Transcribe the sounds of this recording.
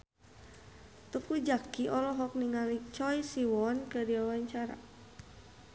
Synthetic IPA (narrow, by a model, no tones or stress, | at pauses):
t̪ukud͡ʒakiʔɔlɔɦɔk̚niŋalit͡ʃɔjsiwɔnkədiwawaɲt͡ʃaɾa̰